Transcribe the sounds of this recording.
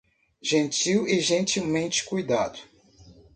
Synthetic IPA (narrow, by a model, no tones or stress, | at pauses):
ʒẽt͡ʃiwɪʒẽnt͡ʃiwmẽnt͡ʃɪ̥kujd̪ad̪ʊ